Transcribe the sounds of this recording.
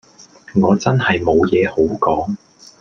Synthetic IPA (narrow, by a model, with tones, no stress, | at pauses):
ŋɔː˨˧t͡sɐ˥nhɐ˨jmo˨˧wjɛː˨˧ho˨˥wkɔː˨˥ŋ